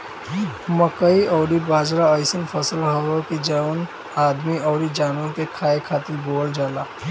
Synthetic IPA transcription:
mɐkəiʔɔːɾibaːd͡ʒɾaɐɪsənfɐsəlɦɐwokid͡ʒan | aːd̪miɔːɾid͡ʒaːnokekʰaːekʰaːt̪ɪlboːld͡ʒaːlaː

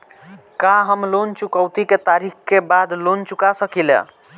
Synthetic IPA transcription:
kaɦəmlont͡ʃukəʊt̪iket̪aɾikkebad̪lont͡ʃukasəkilḛ

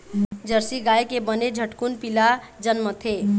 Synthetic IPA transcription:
d͡ʒəɾsiɡaːekebəned͡ʒʱəʈkunpilad͡ʒənmət̪ʰe

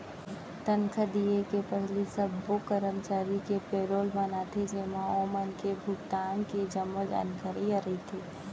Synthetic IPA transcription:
t̪ənkʰəd̪iekepɛɦlisɐbːokəɾəmt͡ʃaːɾikepeːɾoːlbɐnat̪ʰed͡ʒeːmãoːmənkebʱʊɡt̪aːnkid͡ʒəmːəd͡ʒɐ̰nkʰəɾiəɾit̪ʰeː

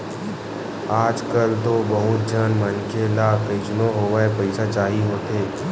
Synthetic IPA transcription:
aːd͡ʒkəlt̪obəɦʊt̪̚d͡ʒʱənmənkelakəɪt͡ʃnõɦoːʋaepɐɪsat͡ʃaːɦiɦoːt̪eː

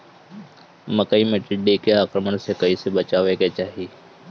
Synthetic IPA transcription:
məkəiːmẽːʈɪɖiːkeaːkɾəmənseːkəiːseːbət͡ʃaːʋeːkeːt͡ʃaːɦiː

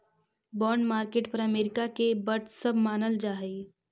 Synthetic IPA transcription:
bɔːɳɖmaːɾkeːʈpɐɾɐmeːɾɪkakebɐʈsɐbʱmaːnəld͡ʒaːɦi

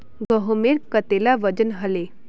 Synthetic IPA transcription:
ɡəɦomeɾkət̪elaʋəd͡ʑənɦəle

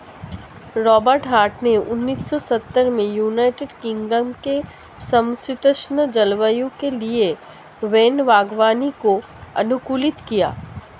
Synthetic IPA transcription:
ɾɔːbəɾʈɦaːɾʈneʊ̰nːiːsːɔsɐt̪ːəɾmẽjuːnaːɪʈeɖkɪ̃ŋɡɖəmke | sɐ̃msɪt̪əʃnəd͡ʒɐlʋəjõkelie | ʋeːnʋaːɡʋaːniko | ɐ̰nʊkuːlɪt̪kija̰ː

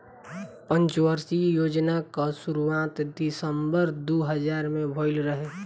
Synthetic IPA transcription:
pə̃nt͡ʃwəɾsijoːd͡ʒnakasuɾuwaːt̪d̪ɪsəmbəɾd̪uɦəd͡ʒaːɾmẽbʱoːɪlɾəɦe

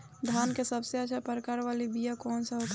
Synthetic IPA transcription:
d̪ʱankesəbseat͡ʃʰapəɾəkaɾʋalibijakɔːnsəɦok̪

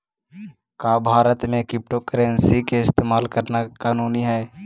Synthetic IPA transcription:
kaːbʱaːɾət̪mẽkɾɪp̚ʈokəɾeːnsikeɪst̪eːmaːlkəɾnakaːnuːniɦɛː

